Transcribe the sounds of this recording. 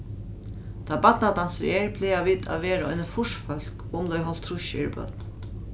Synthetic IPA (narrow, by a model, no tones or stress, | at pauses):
t̪ʰaːbat̪nat̪ansɾɛːɹpʰlɛːaʋiːt̪a̰ʋeːɾɔ̰jnəfʊʂfœl̥kʊmlɔjɦɔl̥t̪ʰːɾʊʃɪ̰ɾbœ̰t̪̚n